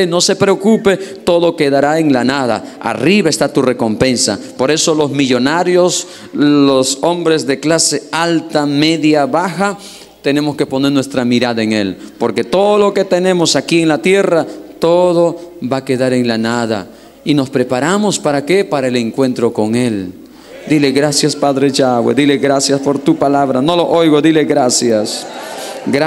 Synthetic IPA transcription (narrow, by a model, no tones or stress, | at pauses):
no̞sepɾeokupe̞t̪o̞ðo̞ke̞ðaɾae̞ŋlanaða̰a̰riβae̞st̪at̪ure̞ko̞mpe̞nsa̰po̞ɾe̞so̞lo̞zmiʝo̞naɾjo̞s | loso̞mbɾe̞zðe̞klase̞alt̪ame̞ðjaβaxa | t̪e̞ne̞mo̞ske̞po̞ne̞ɾnwe̞st̪ɾamiɾaðaeŋe̞lpo̞ɾke̞t̪oðolo̞ke̞t̪e̞ne̞mo̞sakie̞ŋlat̪je̞rat̪oðo̞βake̞ðaɾe̞ŋlanaða̰ | ino̞spɾe̞paɾamo̞spaɾake̞paɾaeleŋkwe̞nt̪ɾo̞ko̞ŋe̞l | d̪ile̞ɣɾasjaspaðɾet͡ʃawḛd̪ile̞ɣɾasjaspo̞ɾt̪upalaβɾano̞lo̞ʔojɣo̞ðileɣɾasjas | ɡ